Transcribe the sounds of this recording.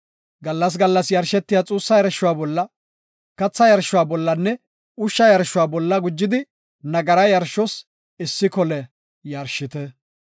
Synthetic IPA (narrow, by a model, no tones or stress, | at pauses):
ɡɐlːɐs̬ɡɐlːɐsjɐɾʃɛt̪ːɪjat͡sʼuːsːɐjɐɾʃːʊwaːbɔlːɐ | kɐt͡sːɐjɐɾʃʊwaːbɔlːɐnːɛ | ʊʃːɐjɐɾʃʊwaːbɔlːɐɡʊd͡ʒːɪd̪ɪ | nɐɡɐɾɐjɐɾʃɔs | ɪsːɪkɔlɛ | jɐɾʃɪt̪ɛ